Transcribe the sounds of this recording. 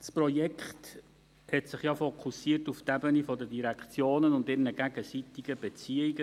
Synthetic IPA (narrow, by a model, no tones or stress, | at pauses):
dsprɔjɛkχt | hɛtsɪχjɑfokʰusiːtuftæbənifɔdədiɾækχt͡sjoːnənʊndɪɾnəɡ̥æɡəsitɪɡ̥əb̥ɛt͡siːiɡə